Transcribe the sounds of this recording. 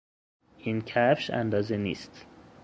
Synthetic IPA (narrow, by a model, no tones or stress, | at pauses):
ʔiːncʰæfʃæ̰nd̪ɒːzenḭːst̪